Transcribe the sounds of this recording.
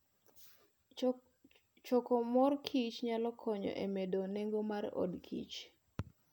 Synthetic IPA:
t͡ʃɔkɔmɔrkʰit͡ʃɲalɔkʰɔɲɔ̰ʔemedoneŋɡomarɔ̰dkʰḭt͡ʃ

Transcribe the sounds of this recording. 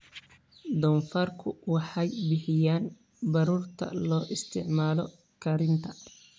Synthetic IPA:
d̪ɔːnfɐrkʰʊwɑħɑjbɪħɪjaːn | bɐɾuːrt̪ʰɐ̰lɔːʔɪst̪ʰɪʕmaːlɔ | kʰɐɾɪnt̪ʰɐ

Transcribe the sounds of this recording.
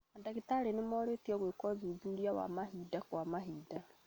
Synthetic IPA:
andaɣitaɾenemɔɾetiɔɣwekɔðuðuɾiawa̰mahiːdakwamaɦiːda

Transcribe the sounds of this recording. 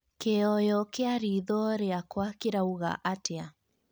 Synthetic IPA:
keɔjɔkeaɾiðɔɾeakwakiɾauɣa̰ʔatea

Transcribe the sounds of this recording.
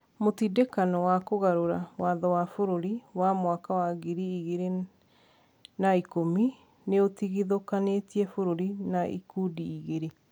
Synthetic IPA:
motidekanɔwakoɣaɾoɾawaðɔwafoɾoɾiwamwakawaɣiɾiiɣeɾe | naikomi | neotiɣiðokanetiɛfoɾoɾinaʔḭkudiːɣeɾe

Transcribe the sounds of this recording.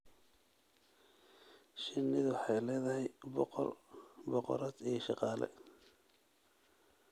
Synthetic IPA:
ʃɪnːɪðwħɑjlɛːðɐhɛjb̰rbɔqɔ̰ɾaːd̪ijʃɑqɑːlɛ̰

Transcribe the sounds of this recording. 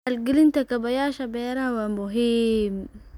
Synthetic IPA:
alɡilint̪akabajaːʃabeːɾahawamoɦim

